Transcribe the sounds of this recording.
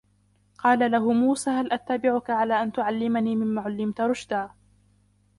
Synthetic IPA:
qɑːlalaɦʊmuːsaːhalʔat̪ːabɪʕʊkaʕalaːʔant̪ʊʕalːɪmaniːmɪmːaːʕʊlːɪmt̪ɾˤʊʃd̪aː

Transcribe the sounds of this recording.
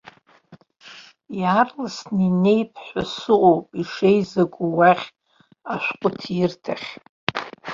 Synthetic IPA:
jarlasnine̞jpʰħʷasɨʔʼowpʼiʂejzaɡʷʼuwaχʲ | aʃʷᶣqʷʼʊtʰɪrtʰaχʲ

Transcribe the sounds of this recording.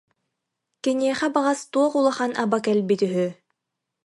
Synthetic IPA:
kiniɛχɛbaʁast̪uɔqulˠaχanabakɛlbit̪yɦy

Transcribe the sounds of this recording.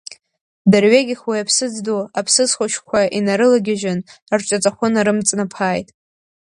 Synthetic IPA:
darɥeɡʲɪχwijapʰsɨd͡zdoapʰsɨzχʷʊʃkʷʰaʔinaɾɨlaɡʲɪʒanart͡ʃʷʼat͡sʼaχʷʊnaɾɨmt͡sʼnapʰaːjtʼ

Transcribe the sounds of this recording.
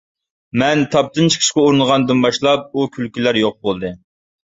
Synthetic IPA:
mɛnt̪ʰɑp̚t̪ɨnt͡ʃʰə̥kʰə̥ʃkʲɛuɾnəʁɑnd̪ɨnbɑʃlˠɑp̚ukʲʰylkʲylæɾjoq̚bolˠd̪ɨ

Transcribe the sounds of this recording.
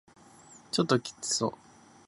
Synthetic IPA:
t͡ɕot̪ːokʲi̥t͡sɨ̥soː

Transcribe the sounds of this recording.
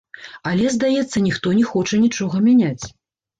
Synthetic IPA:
alʲɛzd̪ajɛt̪sːɐnʲixt̪ɔnʲɛxɔt͡ʂɐnʲit͡ʂɔɣɐmʲanʲat͡sʲ

